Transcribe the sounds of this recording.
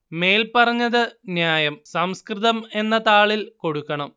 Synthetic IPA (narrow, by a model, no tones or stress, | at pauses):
me̞ːlpɐrɐɲːɐðɨnjaːjɐmsɐmskrɨðɐme̞nːɐt̪aːɭilko̞ɽukːɐɳɐm